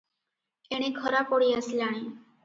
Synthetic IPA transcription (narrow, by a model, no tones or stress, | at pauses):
eɽ̃ekʰəɾapoɽiːəslaɽ̃e